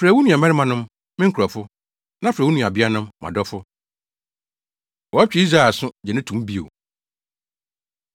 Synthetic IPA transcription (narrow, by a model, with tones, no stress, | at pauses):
fɾɛ˨wu˦nũ˨a˨mɛ˦ɾɪ˦mã˨nʊ̃˦m | mɪ̃˦kʰu˨ɾa˨fʊ˦ | nã˦fɾɛ˨wu˦nũ˨a˨bɪ˦a˦nʊ̃˦mːã̰˨dɔ˦fʊ˦ | wɔ˨a˦t͡ɕᶣɪ˨˦i˦s̬ɾa˦ɛ˨sʊ̃˦d͡ʑɛ˨nɪ̃˦tʰũ˨˦m˦bi˦o̰˨